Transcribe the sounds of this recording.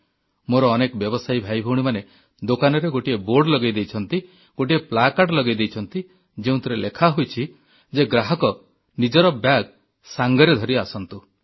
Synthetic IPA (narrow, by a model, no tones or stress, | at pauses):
moɾɔːnekɔbjɔbɔsajbʱajbʱuɽ̃imane | d̪okanɔɾeɡoʈieboɾɖlɔɡajd̪ejt͡ʃʰɔnt̪i | ɡ̥oʈ̬ieplakaʈlɔɡajd̪ejt͡ʃʰɔnt̪i | d͡ʒeũt̪ɔɾelʔekʰaɦojt͡ʃʰi | d͡ʒeɡɾaɦɔkɔ | nid͡ʒɔɾɔbjaɡ | saŋɡɔɾed̪ʱɔɾiasɔnt̪u